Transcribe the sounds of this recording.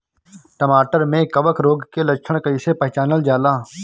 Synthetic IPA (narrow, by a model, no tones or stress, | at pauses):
ʈəmaːʈəɾmẽkəʋəkɾoːɡkeləkt͡ʃʰəɽ̃kəɪsepɐɦt͡ʃaːnəld͡ʒaːlaː